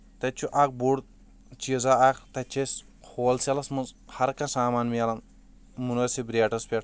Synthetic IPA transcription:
t̪ɐt͡ʃʰuʔak̚buɽ̚ | t͡ʃizaakt̪ɐt͡ʃʰes | kʰoːlselɐsmɐzhɐɾkɐsaːmaːnmiɐlɐn | munɐsibɾeːʈɐspʲeʈ

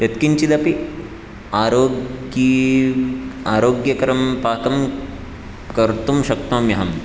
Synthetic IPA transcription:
jɐt̪kiɲt͡ʃid̪ɐpi | aːɾoːi | aːɾoːɡjɐkɐɾɐmpaːkɐm | kɐɾt̪umʃɐk̚t̪ɐmjɐɦɐm

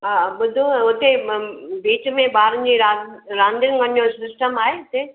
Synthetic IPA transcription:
ɦaɓʊd̪ʱũʊt̪ebiːt͡ɕmẽbaːɾə̃nd͡ʑiːɾaɾãːnd̪ɪnɡɐñjosɪsʈəmaːɦeʊt̪e

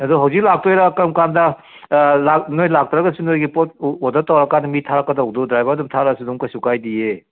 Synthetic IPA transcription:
ɐduɦɐwzik̚lak̚tojɾakɐmkandɐ | lak̚nojlak̚tɾaɡɐsunojɡipot̚ɔdɐtawɾɐkandɐmitʰaɾɐkːɐdawdudɾajbɐɾdumtʰaɾasuduŋkɐsukajdie

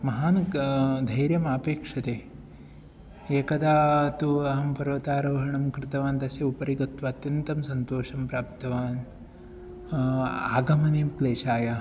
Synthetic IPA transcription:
mɐɦaːnɐd̪ʱɐjɾjɐmaːpeːkʂɐt̪eː | eːkɐd̪aːt̪uɐɦɐmpɐɾʋɐt̪aːɾɐʋɦɐɳɐmkɾɪt̪ɐʋaːnt̪ɐsjɐupɐɾiɡɐt̪ʋɐːt̪jɐnt̪ɐmsɐnt̪oːʂɐmpɾaːp̚t̪ɐʋaːn | a̰ːɡɐmɐneːmkleːʃaːja

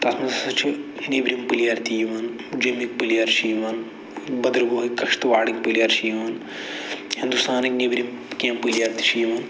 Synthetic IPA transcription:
t̪ɐsmɐnssɐt͡ʃʰinibɾimpɨlijaːɾt̪iːʋɐn | d͡ʒimik̚pɨlijaːɾʃiːʋɐn | bɐd̪ɾboːɦikɐkʂt̪ʋaːɽik̚pɨlijaːɾʃiːʋɐn | hind̪ust̪aːniknibɾim | kʲẽːmpɨlijaːɾt̪i̥ʃiːʋɐn

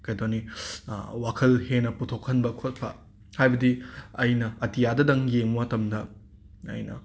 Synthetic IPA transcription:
kɐjdoni | wakʰɐlhenɐputʰokʰhɐnbɐkʰot̚pʰɐ | hajbɐdiɐjnɐɐtijadɐdɐŋjeŋmuwatɐmdɐ | ɐ̰jnɐ̰

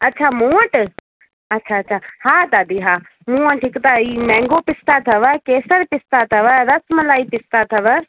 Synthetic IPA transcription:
ɐtːʃʰamũːə̃ʈ | ɐtːʃʰaɐtːʃʰahaːd̪aːd̪iɦaː | mũːə̃ʈʰikt̪aiːmɛ̃ːŋɡopɪst̪at̪ʰɐʋəkeːsəɾpɪst̪at̪ʰɐʋəɾɐsmɐlaːipɪst̪at̪ʰɐʋə

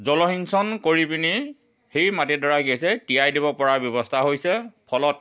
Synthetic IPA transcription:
zɔlɔɦinsɔnkoɹipini | hejmatidɔɹaɡejsɛtiajdibɔpɔɹaɹbjɔbɔstʰaɦojsɛpʰɔlɔt̚

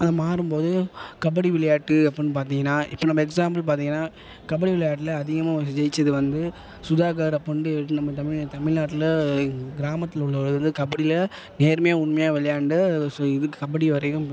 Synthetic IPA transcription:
ɐðɐmaːɾɯmpoːðɯkɐbɐɽiʋɪɭɐjaːʈːɯɐpːɽinːɯp̬aːɾt̪iːŋɡɐnːaːʔɪ̰pːonɐmːɐɛksaːmbɐlp̬aːɾt̪ĩːŋɡɐnːaː | kɐbɐɽiʋɪɭɐjaːʈːɪlɐɐðɪɣɐmaːd͡ʒɛɪt͡ʃːɐðɯʋɐnd̪ɯ | sʊðaːkaːɾɐpːɐɳɖɯʈːɯnɐmːɐt̪ɐmɪt̪ɐmɪɭnaːʈːɪlɐɡɪɾaːmɐt̪ːɪlʊɭːɐɭɐʋɐnd̪ɯkɐbɐɽɪlɐ | neːɾɐmɐjaːʊɳmɐjaːʋɛlɐjaːɳɖɯsoɪðɯkːɯkɐbɐɽiʋɐɾɐjɯ̃m

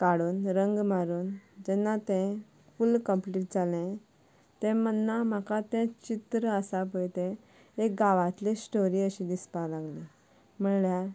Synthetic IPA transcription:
kaɽuːnɾəŋɡmaɾuːnd͡ʑɛnːat̪ɛ̃ | fulkəmpliːʈ̚d͡zalẽ | t̪ɛ̃mənːam̤akat̪ɛ̃t͡ɕit̪ɾəəsap̬əjt̪ẽ | ekɡaʋat̪lẽsʈoɾiːəɕĩd̪ispalaɡlẽ | m̤əɭlja

